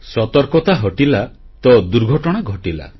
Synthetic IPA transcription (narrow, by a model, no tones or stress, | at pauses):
sɔt̪ɔɾkɔt̪aɦɔʈila | t̪ɔd̪uɾɡʱɔʈɔɽ̃aɡʱɔʈila̰